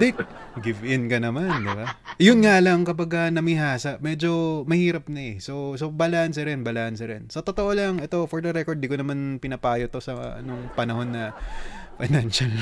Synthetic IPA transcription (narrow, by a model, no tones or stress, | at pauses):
ɡɪvʔɪnkɐnɐmand̪ɪbajʊnŋalɐŋkɐbɐɡɐnɐmɪɦaːsɐʔmɛd͡ʒo̞mɐhiːɾɐp̚nɐɛso̞sobɐlaːʔɐns̬ɛɾɛnbɐlaːʔɐnsɐɾɛnsɐt̪ot̪oʔo̞lɐŋʔɛt̪o̞foɹd̪ɐɾɛkod̪d̪iːkonɐmanpɪnɐpaːjot̪o̞sɐ̰noŋpɐnɐho̞nːɐfɐnanʃɐl